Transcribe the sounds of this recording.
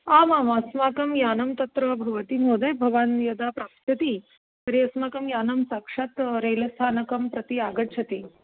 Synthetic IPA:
aːmaːmɐsmaːkɐmjaːnɐmt̪ɐt̪ɾɐbʱɐʋɐt̪imoːd̪ɐjbʱɐʋaːnjɐd̪apɾaːpt̪ʰjɐt̪i | t̪ɐɾiɐsmaːkɐmjaːnɐmsaːkʂat̪ɾejlɐst̪ʰaːnɐkɐmpɾɐt̪iaːɡɐt͡ʃʰɐt̪i

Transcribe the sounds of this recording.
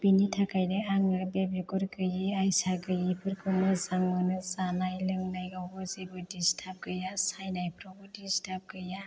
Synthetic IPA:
b̥initʰakajdɯaŋɯbebikɔɾɡɯjiajsaɡɯjipʰɯɾkʰɯnɯzaŋɯnɯzanajlɯŋnajɡaɡɔzibɯdistʰap̚ɡɯjasajnajpʰɾɔbɯdistʰap̚ɡɯja

